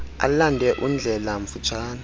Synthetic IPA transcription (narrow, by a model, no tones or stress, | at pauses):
a̰landʱɛʔund͡ɮʱɛlaɱfut͡ʃʰaːna